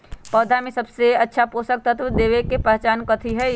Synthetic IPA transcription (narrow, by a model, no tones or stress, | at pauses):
pɔːd̪ʱamẽsɐbseɐtːʃʰapoːsək̚t̪ʰət̪ʰʋd̪eːʋekepəɦt͡ʃaːnkət̪ʰiɦɛ